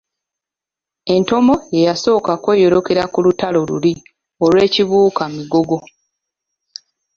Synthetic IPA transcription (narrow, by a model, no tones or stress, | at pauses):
e̞nto̞mo̞je̞jaso̞ːkakwe̞jo̞ɾo̞ke̞ɾakulutalo̞lṵli | o̞lwe̞ːciβuːkamiɡo̞ɡo̞